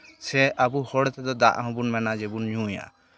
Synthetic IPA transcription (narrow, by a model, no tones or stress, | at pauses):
sɛabuhɔɽɛt̪ʰɛd̪ɔd̪a̰ʔɦɔ̃bunmɛnad͡ʒɛbunɲũja̰